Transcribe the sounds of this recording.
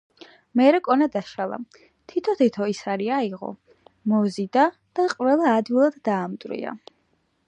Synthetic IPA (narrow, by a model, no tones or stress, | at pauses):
mɛɾɛkʼɔnad̪aʃalˠa̰ | t̪ʰit̪ʰɔt̪ʰit̪ʰɔisaɾiaiʁɔ̰ | mɔzid̪a | d̪̥aqʼvɛlˠaːd̪wilˠad̪̥d̪aːmt̪ʼɾḭa̰